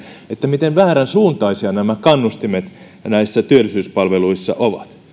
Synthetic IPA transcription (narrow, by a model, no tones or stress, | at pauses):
et̪ːæmit̪eʋʋæːɾænsuːnt̪ɑisiɑnæmækɑnːust̪imet̪ | næisːæt̪yølːˑisyːspɑlʋeluisːɑ̰ʔoʋɑt̪